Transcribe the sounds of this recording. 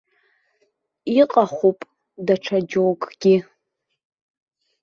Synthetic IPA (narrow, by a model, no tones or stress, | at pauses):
iqʼaχʷupʼ | daʈ͡ʂʰad͡ʒowkʼɡ̥ʲi